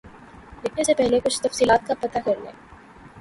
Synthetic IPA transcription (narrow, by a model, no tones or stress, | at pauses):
lɪkʰnesepɛɦlekʊt͡ʃʰt̪ɐfsiːlaːt̪̚kapɐt̪akɐɾnḛː